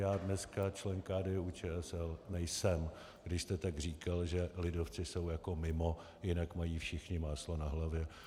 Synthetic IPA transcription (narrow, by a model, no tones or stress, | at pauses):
jaːdnɛskat͡ʃlɛŋkaːdɛːʔut͡ʃɛːɛsɛlnɛjsɛm | ɡdɪʃst̪ɛt̪aɡr̝iːkalʒɛlɪdoft͡sɪso̞wjako̞mɪmo̞ | jɪnakmajiːfʃɪxɲɪmaːslo̞naɦlavjɛ